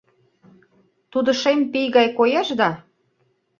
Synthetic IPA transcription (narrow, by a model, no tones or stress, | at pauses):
t̪ud̪ə̆ʃempijɣɑjkojɑʃd̪ɑ